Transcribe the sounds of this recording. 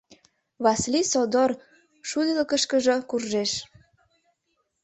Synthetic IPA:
βɑslisod̪or | ʃud̪ələkəʃkəʒɤkurʒeʃ

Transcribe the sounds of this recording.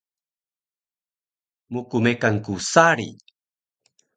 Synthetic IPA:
mukumekankusaɾḭ

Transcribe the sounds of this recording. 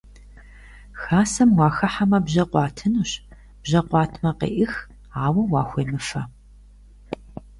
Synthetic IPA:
xaːsɐmwɑːxɐħamɐbʑɐqʷɑːtʰɨnuɕ | b̥ʑɐqʷɑːtʰmɐqḛːʔɪx | aːwɐwɑːxʷeːmɨfɐ

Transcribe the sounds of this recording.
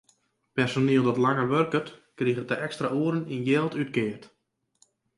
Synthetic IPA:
pɛrsoniəlˠdɔtlaŋərʋørkətkriɣətəʔɛkstraʔuəɾəninjɛːlˠtyt̚kɪərt

